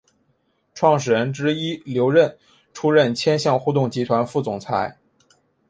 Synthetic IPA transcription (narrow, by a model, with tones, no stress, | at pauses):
ʈ͡ʂʰwɑ˥˩ŋʂ̬ɻ̩˨˩ɻə˧˥nʈ͡ʂɻ̩˥i˥ljo˧˥ʊɻə˥˩n | ʈ͡ʂʰu˥ɻə˥˩nt͡ɕʰjɛ˥nɕjɑ˥˧ŋxu˥˧t̪ʊ˥˩ŋt͡ɕi˧˥t̪ʰwa˧˥nfu˥˩t͡sʊ˨˩ŋt͡sʰa˧˥ɪ